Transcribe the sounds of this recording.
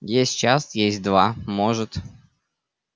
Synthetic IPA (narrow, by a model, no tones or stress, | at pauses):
jesʲtʲt͡ɕast̪jesʲt̚ʲd̪vamoʐɨt̪